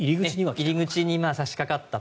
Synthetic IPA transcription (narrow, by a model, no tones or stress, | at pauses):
iɾʲiɡɯiɲiiɾʲiɡɯ̟t͡ɕiɲ̟imaːsaɕi̥kakat̪ːa